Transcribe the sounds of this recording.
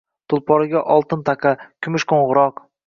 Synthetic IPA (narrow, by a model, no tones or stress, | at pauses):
t̪ʰʊlˠpʰɒɾɪɡʲaʔɒlˠt̪ɪnt̪ʰaqʰɑkʲʰʊmɪʃkʰõɴʁʊɾɒq